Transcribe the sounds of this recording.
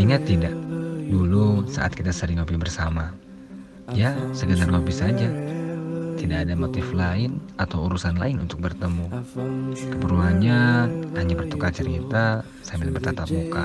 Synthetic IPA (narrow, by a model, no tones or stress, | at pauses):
iŋat̪ːidaʔdulusa̰ʔa̰t̪̚kit̪asəɾɪŋobɪbərsama | jasəɡənarɡobisad͡ʒa | t̪idaʔːdamot̪ɪflaɪnat̪awuɾusanla̰ɪnṵnt̪ʊk̚bərt̪əmu | kəpəɾuanɲahaɲabərt̪ukat͡ʃərkit̪a | sambiɪlbərt̪at̪ap̚muka